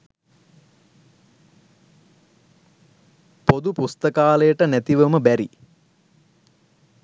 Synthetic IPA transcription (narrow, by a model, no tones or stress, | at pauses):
pod̪upust̪əkaːləjəʈənæt̪iʋəməbæɾi